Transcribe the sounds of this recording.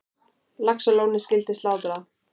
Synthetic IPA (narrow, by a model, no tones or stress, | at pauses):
laksʏlownɪscɪlt̪ɪst̪laːwt̪ɾa